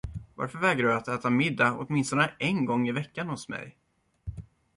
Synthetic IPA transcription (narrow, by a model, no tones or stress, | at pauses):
va̰ɾfœɾvɛːɡɾaɖɵat̪ɛːt̪amɪd̪ːaɔ̰t̪mɪnst̪ɔnəʔɛnɡɔŋːɪvɛkːanhʊsmɛ̰j